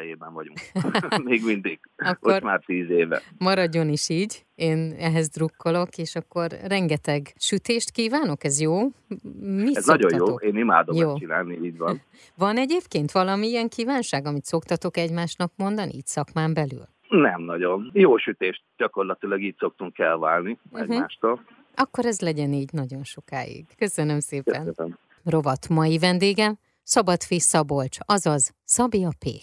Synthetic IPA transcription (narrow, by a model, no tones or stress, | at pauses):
ɛjeːbɛɱvɒɟṵŋkmeːɡmind̪iɡ̥ɒkːoormaːrt̪iːzeːvɛ̰mɒɾɒɟːo̞niʃiːɟeːnɛɦɛzd̪rukːolo̞keːʃɒkːo̞rːɛŋɡɛt̪ɛɡʃyt̪eːʃt̪kiːvaːno̞kɛzjoː | miɛsznɒɟo̞jjoːeːnima̰ːd̪ojoːt͡ʃinaːlniiːɟvɒn | vɒnɛɟeːpkeːnt̪ʋɒlɒmiiɛŋkiːvaːnʃaːɡɒmit̪so̞kt̪ɒt̪o̞kɛɟmaːʃnɒkmo̞nd̪ɒnʔḭiːcsɒkmaːmbɛly̰l | nɛmnɒɟo̞njoːʃyt̪eːʃt̪̚ɟɒko̞rlɒt̪ilɒɡiːcso̞k̚t̪uŋkɛlvaːlniɛ̰ɟa̰ːʃt̪oːl | ɒkːo̞ɾɛzlɛɟɛniːɟnɒɟo̞nʃo̞ka̰ːjḭɡ̥kø̞sønømseːpɛnm | ro̞vɒt̪mɒjivɛnd̪eːɡɛm | sɒbɒt̪fisːɒbo̞lt͡ʃɒzɒzsɒbiɒpḛː